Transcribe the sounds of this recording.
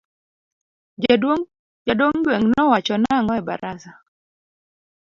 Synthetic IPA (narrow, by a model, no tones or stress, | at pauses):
d͡ʒadwoŋ | d͡ʒadoŋɡweŋnɔwat͡ʃɔnaŋɔɛba̰ɾʔasa